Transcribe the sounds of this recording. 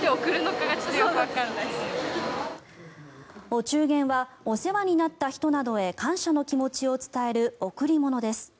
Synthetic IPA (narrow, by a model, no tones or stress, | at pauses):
t̪eokɯ̟ɾɯ̟no̞kaɡat͡ɕizɨjokɯβakaɾnais | o̞t͡ɕɨːɡẽ̞ɰ̃βa | o̞se̞βaɲ̟inat̪ːaçi̥t̪o̞nad̪o̞e̞kãɰ̃ɕano̞kʲimo̞t͡ɕio̞t͡sɨ̥t̪ae̞ɾɯ̟o̞kɯ̟ɾʲimo̞no̞d̪e̞sɨ̥